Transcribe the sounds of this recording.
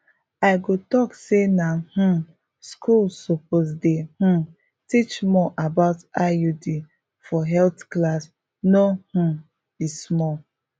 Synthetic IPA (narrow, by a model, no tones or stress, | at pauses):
aɪɡotɔksenah̩ | skulsoposdeh̩ | tit͡ʃmɔʔabaʊtajudi | fɔɦɛltklas | noh̩ | b̥ismɔl